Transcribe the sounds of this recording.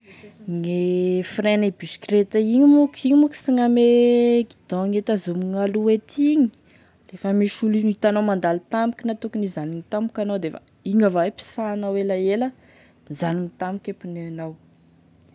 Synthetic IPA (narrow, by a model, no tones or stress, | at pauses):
ŋefrenebiskret̪aiɲimukiɲimuki̥siŋameɡi̥d̪̥oŋet̪azumiŋaluet̪ʰiɲi̥ | lefəmiʃulimit̪anamand̪alit̪ambikʲinat̪ukunizaniŋit̪amikanawd̪efa̰ | iɲavaajpi̥sanawelaelə | mizaniŋit̪amikʲepineanaw